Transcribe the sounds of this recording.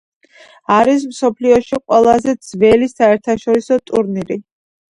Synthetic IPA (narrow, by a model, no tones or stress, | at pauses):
aɾismsɔpʰliɔʃiqʼwɛlˠazɛd̪z̥vɛlisaɛɾt̪ʰaʃɔɾisɔt̪ʼuɾniɾi